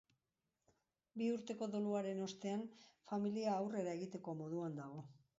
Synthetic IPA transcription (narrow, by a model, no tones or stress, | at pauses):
biuɾt̪e̞ko̞ðo̞luaɾe̞no̞st̪e̞anfamiliaːwre̞ɾaeɣit̪e̞ko̞mo̞ðuand̪aɣ̞o̞